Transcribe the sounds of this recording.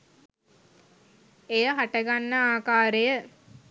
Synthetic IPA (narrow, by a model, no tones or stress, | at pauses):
ejəɦaʈəɡanːəaːkaːɾejə